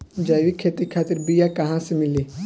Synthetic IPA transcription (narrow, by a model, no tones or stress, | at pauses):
d͡ʒaːʋikʰeːt̪ikʰaːt̪ɪɾbijakɐɦãsemɪliː